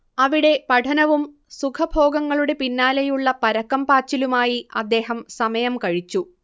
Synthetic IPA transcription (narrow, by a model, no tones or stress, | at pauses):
ɐʋiɽe̞pɐʈʰɐnɐʋum | sukʰɐbʱo̞ːɡɐŋːɐɭuɽe̞pinːaːlɐjuɭːɐpɐɾɐkːɐmpaːt͡ɕːilumaːjiɐ̰d̪ːe̞ːɦɐmsɐmɐjɐmkɐɻit͡ɕːu